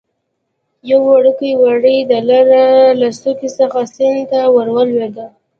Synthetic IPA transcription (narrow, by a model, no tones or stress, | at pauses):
jawaɽəkəjwaɽəjd̪əlaɾalast̪ukisəxasɪnt̪awaɾwəlwed̪a